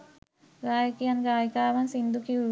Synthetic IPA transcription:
ɾaːjkijɐnɡaːjkaːʋɐnsind̪ukiu

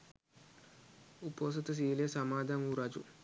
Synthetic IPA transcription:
upːoːs̬ɐt̪ːɨs̬iːilesɐmaːd̪ʱaːŋuɾad͡ʒṵ

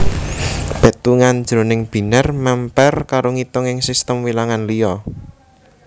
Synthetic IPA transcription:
b̥e̤t̪uŋand̥d͡ʒ̥ɾo̤nɪŋb̥i̤nərmɛmpɛrkaɾoŋit̪ɔŋɪŋsist̪əmwilaŋanlijɔ

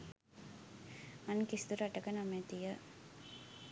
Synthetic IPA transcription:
ankist̪uɾaʈəkənamet̪ijə

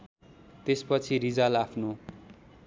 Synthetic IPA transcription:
t̪espʌt͡sʰiɾid͡zalapʰno

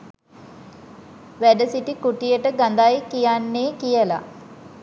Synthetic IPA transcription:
ʋæɖəsiʈikuʈijəʈəɡand̪ajkijanːeːkijəla̰

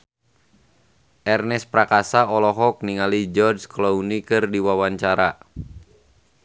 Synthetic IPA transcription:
ʔɛrnɛspɾakasaɔlɔɦɔk̚niŋalid͡ʒɔrd͡ʒklɔunikɨrdiwawaɲt͡ʃaɾa

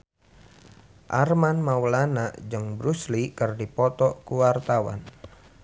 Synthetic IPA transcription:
ʔa̰rmanmawlanaʔd͡ʒɨŋbɾuslikɨrdipɔt̪ɔkuwart̪awa̰n

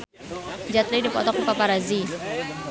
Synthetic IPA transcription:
d͡ʒat̪ɾidipɔt̪ɔkupapaɾazi

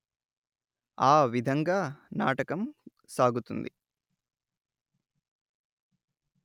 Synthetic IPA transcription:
aːʋid̪ʱɐŋɡaːnaːʈɐkɐm | saːɡut̪und̪ḭ

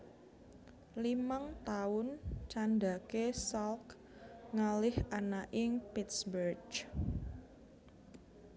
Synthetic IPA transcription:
limaŋt̪aʊnt͡ʃand̪a̤kesalk | ŋalɪhanaʔɪŋpit̪sbər

